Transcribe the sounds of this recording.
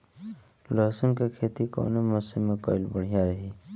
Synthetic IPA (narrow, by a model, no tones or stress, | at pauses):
ləɦsənkekʰeːt̪iko̰ːnemɔːsimːẽkɔ̰ɪlbəɽ̤ijaɾəɦiː